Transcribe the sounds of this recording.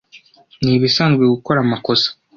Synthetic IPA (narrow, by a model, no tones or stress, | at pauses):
niβisaːnɡeɡuko̞ɾamako̞sḁ